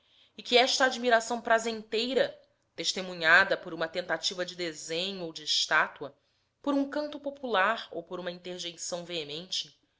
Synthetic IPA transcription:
ɪkɪɛʃt̪ɐːd͡ʒmiɾasɐ̃w̃pɾazẽnt̪ejɾɐ | t̪eʃt̪emũɲad̪ɐpoɾũmɐt̪ẽnt̪at͡ʃivɐd͡ʒɪd̪ezẽɲʊowd͡ʒɪʃt̪at̪uɐ | poɾũŋkɐ̃nt̪ʊpopulaɾo̰wpoɾũmɐĩnt̪eɾʒẽjsɐ̃w̃veemẽnt͡ʃɪ

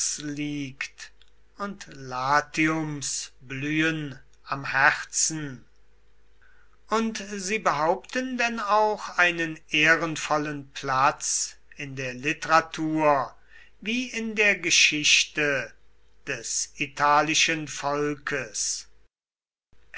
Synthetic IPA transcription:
sliːkt | ʊntlaːtʰiʊmsblyːən | ʔamhæʁt͡sn̩ | ʔʊntziːbəɦaʊptəndɛnaʊxaɪnəneːʁənfɔlənpʰlat͡sɪndeːɐlɪtəʁatʰuːɐ | viːɪndeːɐɡəʃɪɕtə | d̥ɛsitʰaːlɪʃənfɔlkʰəs

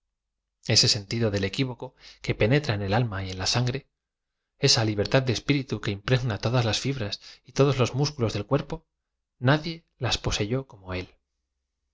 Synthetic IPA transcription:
e̞se̞se̞nt̪iðoðe̞le̞kiβo̞ko̞ke̞pe̞ne̞t̪ɾaene̞lalmaie̞nlasaŋɡɾe̞ | e̞saliβ̞e̞ɾt̪að̚d̪espiɾit̪uke̞impɾe̞ɣnat̪o̞ðazlasfiβɾasit̪o̞ð̞o̞zlo̞zmuskulo̞zðe̞lkwe̞ɾpo̞ | naðje̞ | laspo̞se̞ʝo̞ko̞mo̞e̞l

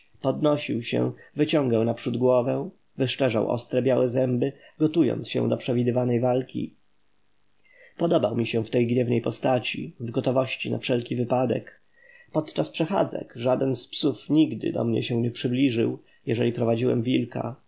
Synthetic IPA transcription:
pɔd̪nɔɕiwɕɛ̰̃vɘt͡ɕɔ̃ŋɡawnapʂud̪ɡwɔvɛ | vɘʂt͡ʂɛʐa̰wʔɔ̰st̪ɾɛbʲjawɛzɛmbɘɡɔt̪ujɔ̰nt̪sɕɛ̰̃w̃d̪ɔpʂɛvʲid̪ɘvanɛjvalkʲḭ | pɔd̪ɔbawmʲiɕɛ̃ft̪ɛjɡɲɛvnɛjpɔst̪at͡ɕḭvɡɔt̪ɔvɔɕt͡ɕina̰fʂɛlkʲivɘpad̪ɛ̰k | pɔt̪t͡ʂaspʂɛxa̰d̪zɛ̰kʐad̪ɛnspsufɲiɡd̪ɘ̰d̪ɔ̰mɲɛ̰ɕɛw̃ɲɛpʂɘblʲiʐɘw | jɛʐɛlʲipɾɔvad͡ʑiwɛ̰mvʲilka̰

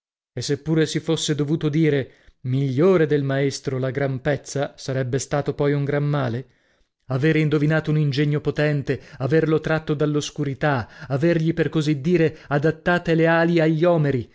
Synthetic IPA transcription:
esːepːuːɾesifosːed̪ovuːt̪od̪iːɾe | miʎːoːɾed̪elmaest̪ɾolaɡɾampɛt̪sːasaɾɛbːest̪aːt̪opɔjuŋɡɾamːaːle | aveːɾeind̪ovinaːt̪ounind͡ʒɛɲːopot̪ɛnt̪eaverlot̪ɾat̪ːod̪alːoskuɾit̪aaverʎiperkozid̪ːiːɾead̪at̪ːaːt̪eleaːliaʎːiɔːmeɾi

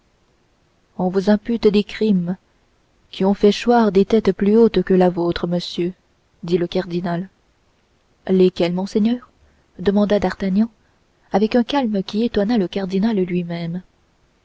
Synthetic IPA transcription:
ɔ̃vuzɛ̃pyt̪d̪ekχim | kʲiɔ̃fɛʃwaʁd̪et̪ɛt̪plyot̪kəlavot̪χəməsjø | d̪iləkaʁd̪inal | lekʲɛlmɔ̃sɛɲœːʁ | d̪əmɑ̃d̪ad̪aʁt̪aɲɑ̃ | avɛkɛ̃kalməkʲiet̪wanaləkaʁd̪inallɥimɛm

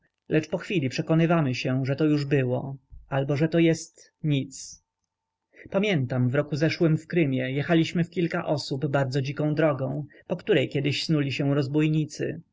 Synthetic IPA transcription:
lʔɛt͡ʂpɔxfʲilʲipʂɛkɔnɘvamɘɕɛʐɛt̪ɔjuʐbɘwɔalbɔʐɛt̪ɔjɛst̪ | ɲit̪s | pamʲjɛnt̪amvɾɔkuzɛʂwɘmfkɾɘmʲjɛjɛxalʲiɕmɘfkʲilka̰ʔɔsubbaɾd̪zɔd͡ʑikɔ̃d̪ɾɔɡɔ̃w̃ | pɔkt̪uɾɛjkʲjɛd̪ɘɕsnulʲiɕɛ̃wɾɔzbujɲit̪sɘ̰

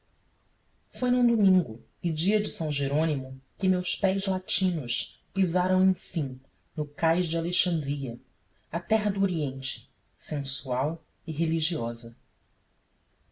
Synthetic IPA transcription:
fojnũd̪umĩŋɡʊ | ɪd͡ʒiɐd͡ʒɪsɐ̃w̃ʒeɾõnimʊkɪmewspɛjzlat͡ʃĩnʊʃ | pizaɾɐ̃w̃ẽj̃fĩ | nʊkajʒd͡ʒɪaleʃɐ̃nd̪ɾiɐ | ɐt̪ɛɦɐd̪uoɾiẽnt͡ʃɪ̥ | sẽsuaw | ɪɦeliʒiɔzɐ

